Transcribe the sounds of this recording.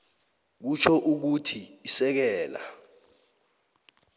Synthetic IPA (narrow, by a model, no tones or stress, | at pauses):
k̬ut͡ʃʰɔʔuk̬utʰiːsɛk̬ɛːla̰